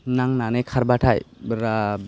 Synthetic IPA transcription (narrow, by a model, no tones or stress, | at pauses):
naŋnanekʰaɾbatʰajbɾa